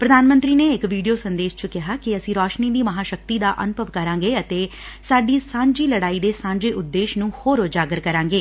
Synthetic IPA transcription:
pɾəd̪aːnmə̃nt̪ɾiːneːɪkʋiːɖijoːsənd̪eːʃt͡ʃʊkɪɦaːkɪəsĩːɾɔːʃniːd̪iːməɦaːʃək̚t̪iːd̪aːʔənʊpəʋkəɾãːŋɡeːət̪eː | saːɖiːsãːɲd͡ʒiːləɽaːiːd̪eːsãːɲd͡ʒeːʔʊd̪ːeːʃnũːhoːɾoːd͡ʒaːɡəɾkəɾãːŋɡeː

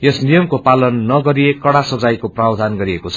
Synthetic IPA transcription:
jesnijʌmkopalʌnːʌɡʌɾiekʌɽasʌd͡zajkoprawd̪ʱanɡʌɾiekot͡sʰʌ̥

